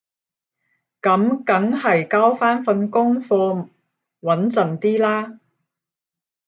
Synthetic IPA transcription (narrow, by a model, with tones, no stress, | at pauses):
kɐ˨˥mkɐ˨˥ŋhɐ˨jkaː˥wfaː˥nfɐ˧nkʊ˥ŋfɔː˧ | wɐ˨˥nt͡sɐ˨nt̪iː˥laː˥